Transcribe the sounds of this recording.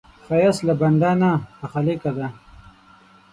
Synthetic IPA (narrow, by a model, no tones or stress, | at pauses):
fajaslaband̪aːnaaxalekad̪a